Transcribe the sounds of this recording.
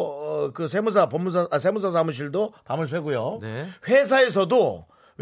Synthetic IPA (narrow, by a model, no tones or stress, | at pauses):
ʌkɯsʰemus̬ʰapʌmːusʰasʰemus̬ʰas̬ʰamuɕ̬ʰiɭdopamɯɭpʰeɡujonɸwes̬ʰae̞s̬ʰʌdo | w